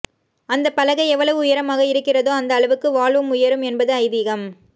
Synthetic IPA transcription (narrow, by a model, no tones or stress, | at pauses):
ɐnd̪ɐpːɐlɐɣɐɪɛʋːɐɭɐʋɯʊjɐɾɐmaːɣɐɪɾɯkːɪrɐðoːɐnd̪ɐːɭɐʋɯkːɯʋaːɭʋɯmʊjɐɾɯmɛnbɐðɯɐɪðiɣɐm